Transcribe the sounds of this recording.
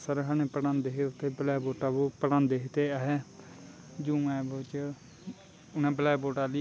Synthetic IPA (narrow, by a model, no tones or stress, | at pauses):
səɾəkʰaneːpəɽãːnd̪eːɦeːʊt̪ʰːeːbəlɛːboːʈaːbopəɽãːnd̪eːɦɪt̪eːɦeː | d͡ʒũːɛ̃ːbət͡ʃ | ʊnãːbəlɛːboːʈaːli